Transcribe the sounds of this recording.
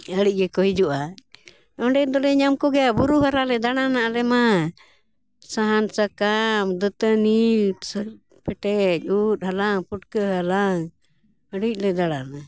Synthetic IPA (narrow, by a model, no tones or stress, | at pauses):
əɽic̚ˀɡɛkɔɦid͡ʒuʔa | ɔɳɖɛd̪ɔlɛɲamkɔɡɛjabuɾuɦaɾalɛd̪aɽanaʔalɛma | saɦansakamd̪ət̪ənits | pɛʈɛc̚ˀut̪̚halaŋpuʈkəɦalaŋ | əɽic̚ˀlɛd̪aɽana